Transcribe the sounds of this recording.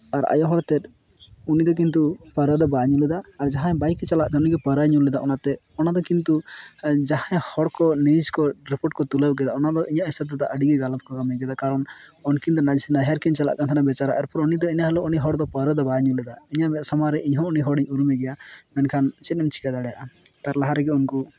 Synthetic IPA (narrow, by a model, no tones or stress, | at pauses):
aɾa̰jɔɦɔɽt̪ɛt̪̚ | unid̪ɔk̬int̪upəɾəd̪ɔbaɲulɛd̪aːɾd͡ʒaɦãbajkɛt͡ʃalaʔt̪ɛɔniɡɛpəɾaɲulɛd̪aʔɔnat̪ɛ | ɔnad̪ɔkint̪ud͡ʒaɦãjhɔɽkɔnid͡ʒkɔɾipɔʈ̚kɔt̪uləb̚ɡɛd̪aɔnad̪ɔʔiɲaʔisɛb̚d̪ɔt̪aʔəɖiɡiɡalɔt̪̚kɔɡamɛɡɛd̪akaɾɔnɔnkind̪ɔnad͡ʒsinaɦjaɾkint͡ʃala̰ʔkant̪ʰanabɛt͡ʃaɾa̰ʔɛ̰ɾpɔɾɔnid̪ɔiɲaɦɛlɔniɦɔɽd̪ɔpəɾəd̪ɔbaɲulɛd̪aiɲaʔbɛt̪sɔmaɾɛʔiɲɦɔ̃uniɦɔɽiɲuɾumɛɡɛjamɛnkʰant͡ʃɛt̪̚ːɛmt͡ʃi̥kad̪aɽɛjaʔat̪aɾlaɦaɾɛɡɛunku